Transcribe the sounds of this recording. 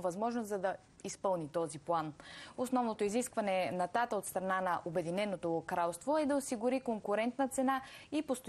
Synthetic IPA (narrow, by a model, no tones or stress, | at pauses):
vɐzmɔʒnoszɐd̪ɐ | ispɤlˠnit̪ɔziplˠanosnɔvnot̪oiziskvɐnɛnɐt̪at̪əot̪st̪ɾɐnanɐʔobɛd̪inɛnot̪okɾalˠst̪voɛd̪ɐosiɡʊɾikoŋkʊɾɛnt̪nət̪sɛnaipost̪